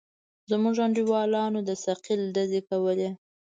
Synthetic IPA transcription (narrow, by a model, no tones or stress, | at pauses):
zmuʒaɳɖiwɑlɑnod̪əsaqilɖ̪azekawəle